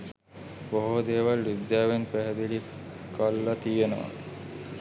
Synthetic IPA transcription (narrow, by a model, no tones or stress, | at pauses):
boɦod̪eːʋalːid̪ːaːʋenpæɦɛd̪ili | kalːat̪ijenəʋa̰